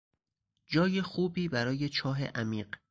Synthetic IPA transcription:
d͡ʒɒːjexuːbiːbæɾɒːje̞t͡ʃʰɒːɦḛʔæmiːɢ

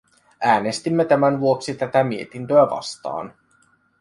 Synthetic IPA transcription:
æːne̞st̪imːe̞t̪æmænʋuo̞ksit̪æt̪æmie̞t̪int̪øæʋɑ̰st̪ɑ̰ːn

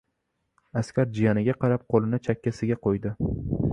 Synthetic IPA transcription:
askʲaɾd͡ʒijanɪɡʲaqʰɑɾap̚qʰolɪnɪt͡ʃʰakʲːasɪɡʲaqʰojd̪ɪ

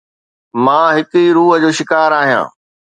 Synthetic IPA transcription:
mãːɦɪkiɾuːɦəd͡ʑoːʃɪkaːɾaːɦijã̰ː

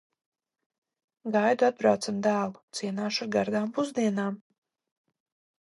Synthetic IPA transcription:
ɡajd̪uad̪̚bɾawt̪samd̪aːlˠu̥t̪siɛnaːʃuaɾɡaɾd̪aːmpuzd̪iɛnaːm

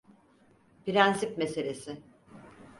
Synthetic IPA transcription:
piɾænsipme̞se̞lʲesɪ

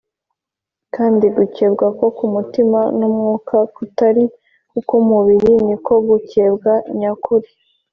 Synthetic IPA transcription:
kaːndiɡuceːbɡako̞kumutimanumŋuːkʰakutaɾi | kukumuβiɾiniko̞ɡucebɡaɲakʰuɾi

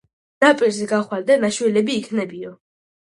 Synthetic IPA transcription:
napʼiɾzɛɡaχwald̪anaʃwɛlɛbiːkʰnɛbiɔ

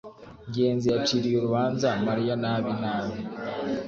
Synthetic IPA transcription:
ɲɟe̞ːnzijat͡ʃiɾijoɾuβaːnzamaɾijanaːβinaːβi

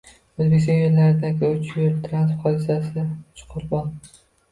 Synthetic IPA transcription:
ɵzbekʲɪst̪ɒnjeɾlaɾɪd̪aɡʲɪʊt͡ʃjɪɾt̪ʰɾanspχɒd̪ɪsasɪt͡ʃʰʊ̥qʰʊɾbɒn

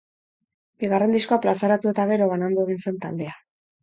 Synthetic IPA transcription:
biɣare̞nd̪isko̞aplasaɾat̪ue̞t̪aɣ̞e̞ɾo̞βanand̪oeɣ̞inse̞nt̪ald̪e̞a

